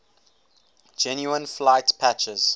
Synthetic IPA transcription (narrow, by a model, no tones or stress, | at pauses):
d͡ʒɛ̃njuə̃nflaɪtpʰæt͡ʃəz̥